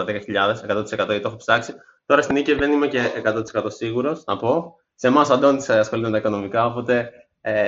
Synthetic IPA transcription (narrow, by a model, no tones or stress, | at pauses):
ɐðekɐçiʎɐðe̞se̞kɐt̪o̞t̪ise̞kɐt̪o̞ʝɐet̪o̞xopsɐksi | t̪o̞ɾɐst̪iniciðe̞nime̞ce̞ʔekɐt̪o̞t̪ise̞kɐt̪o̞siɣuɾo̞snɐpo̞ | se̞mɐsɐnd̪ont̪i̥sɐsxo̞lit̪emet̪ɐiko̞no̞mikɐo̞po̞t̪e̞ | e